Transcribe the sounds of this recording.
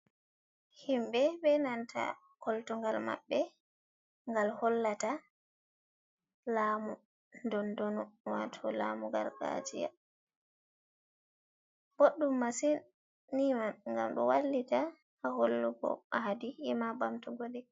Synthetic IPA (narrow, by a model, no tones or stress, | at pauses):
himbɛbɛnantʰa̰ | koltuŋɡalma̰bːɛ | ŋɡalhɔlːata | laːmu | ndɔndɔnɔwatʰɔlamuɡa̰ɾɡa̰d͡ʒija̰ | b̥oɗːumːasin | nimaŋɡamɗɔwalːitaː | holːuɡɔ̰aɦadihimabamtuɡolɛ